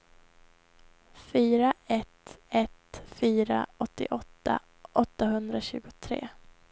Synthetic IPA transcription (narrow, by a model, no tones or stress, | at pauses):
fyːɾaɛt̪ɛt̪fyːɾa̰ɔt̪ːɪ̰ʔɔt̪ːa̰ | ʔɔt̪ːaɦɵnd̪ɾaɕʉ̟ːɡʊt̪ʰɾḛː